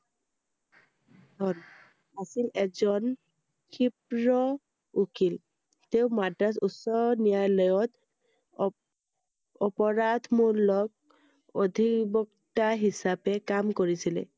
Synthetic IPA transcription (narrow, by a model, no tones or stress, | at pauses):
dʱɔn | asilɛzɔn | kʰip̚ɹɔ | ukʰil | teʊmadasusɔnijajlɔjɔt | ɔpɔɹad̪ʱmulɔɡ̚ | od̪ʱibɔktaɦisapɛkamkoɹisilɛ̰